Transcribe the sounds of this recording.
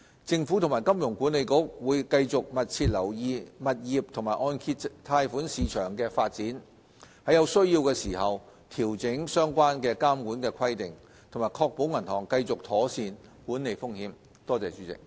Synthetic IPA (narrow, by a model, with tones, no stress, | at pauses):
t͡sɪ˧ŋfuː˨˥t̪ʰʊ˨˩ŋmaː˨˩jkɐ˥mjʊ˨˩ŋkuː˨˥ne˨˧jkʊ˨˥k̚wuː˨˧jkɐ˧jt͡sʊ˨k̚mɐ˨t̚t͡sʰiː˧t̚lɐ˨˩wjiː˨˧mɐ˨t̚jiː˨˩p̚t̪ʰʊ˨˩maː˨˩jʔɔː˧nkʰi˧tt̪ʰaː˧jfuː˨˥nsiː˨˧t͡ʃʰœː˨˩ŋkɛː˧faː˧t̚t͡siː˨˥n | hɐ˨jɐ˨˧wsɵ˥ɥjiː˧wkɛː˧siː˨˩hɐ˨w | t̪ʰiː˨˩wt͡sɪ˨˥ŋsœː˥ŋkʷaː˥nkɛː˧kaː˥mkuː˨˥nkɛː˧kʰɐ˥jt̪ɪ˨ŋ | t̪ʰo˨˩ŋmaː˨˩jkʰɔː˧k̚po˨˥wŋɐ˨˩nhɔː˨˩ŋkɐ˧jt͡sʊ˨k̚t̪ʰɔː˨˥siː˧nkuː˨˥nːe˨˧jfʊ˥ŋhiː˨˥m | t̪ɔː˥t͡sɛː˨t͡ʃyː˨˥t͡sɪ̰˨k̚